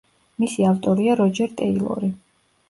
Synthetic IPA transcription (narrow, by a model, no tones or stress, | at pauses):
misiaft̪ʼɔɾiaɾɔd͡ʒɛɾt̪ʼɛilˠɔ̰ɾi